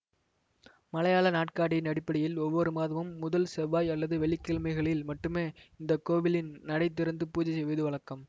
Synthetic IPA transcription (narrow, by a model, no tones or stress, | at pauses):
mɐlɐjaːlɐnaːʈkaːɽɪjɪnɐɽɪpːɐɽɪjɪlɔʋːɔɾɯmaːðɐʋɯmːʊðɐlsɛʋaːjɐlːɐðɯʋɛɭɪkːɪːɭmɐɪɣɐɭɪlmɐʈːɯmeːɪnd̪ɐkoːʋɪlɪnnɐɽɐɪt̪ːɪɾɐnd̪ɯpuːd͡ʒɐsɛjʋɐðɯʋɐɭɐkːɐm